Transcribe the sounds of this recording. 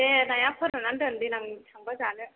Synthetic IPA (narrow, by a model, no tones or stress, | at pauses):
enajapʰɯɾɯnandɯnd̪inaŋtʰaŋbazanɯ